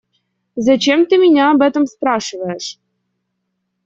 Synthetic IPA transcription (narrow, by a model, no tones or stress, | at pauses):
zɐt͡ɕemt̪ɨmʲinʲaːbɛt̪ə̆msprɑʂɨvəəʂ